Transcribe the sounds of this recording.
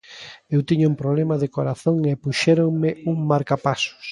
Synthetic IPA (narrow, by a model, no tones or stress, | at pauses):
ewt̪iɲʊumpɾoβlemaðɪkoɾaθoŋepuʃɛɾoŋmɪuŋmaɾkapasʊ̥s